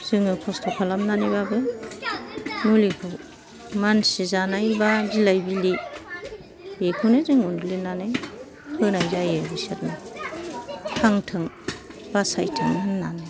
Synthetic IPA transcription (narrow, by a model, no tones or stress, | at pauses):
z̥ɯŋɯkʰɔstʰɔkʰalamnanibabɯ | mulikʰɯ | mansizanajbabilajbili | jekʰunɯzɯŋunɡulinanɯj | hʰɯnajzajebiset̚na | pʰaŋtʰɯŋ | b̥asajtʰɯŋɯnːanaj